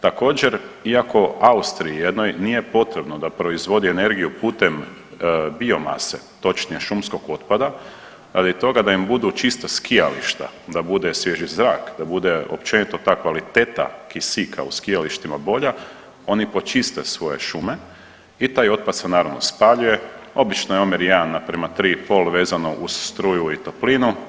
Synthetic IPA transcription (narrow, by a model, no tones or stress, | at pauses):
t̪ako̞ːd͡ʑeɾiako̞aust̪ɾiijed̪no̞jnije̞po̞t̪ɾe̞bnod̪apɾo̞izʋo̞d̪iene̞ɾɡijupuːt̪em | bio̞ma̰sḛ | t̪o̞t͡ʃnieʃumsko̞ɡo̞t̪pad̪a | ɾa̰d̪it̪o̞ɡad̪aimbud̪ut͡ʃist̪askijalḭʃt̪a̰d̪abud̪esʋjeʒizɾaːkd̪abud̪e̞o̞̰pt͡ʃe̞nit̪ot̪aːkʋalit̪et̪a̰kisikʰa̰uskijaliʃt̪imabo̞ʎa | o̞nipo̞t͡ʃist̪e̞sʋo̞je̞̰ʃume̞ | it̪aːjo̞t̪̚pad̪senaːɾaʋnospaʎuje̞o̞bit͡ʃnojeomiɾjanapɾemat̪ɾiːpo̞lʋe̞ːzanoʔusst̪ɾujuit̪o̞plinu